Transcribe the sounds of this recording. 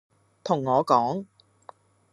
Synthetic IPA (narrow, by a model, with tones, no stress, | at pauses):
t̪ʰʊ˨˩ŋːɔː˨˧kɔː˨˥ŋ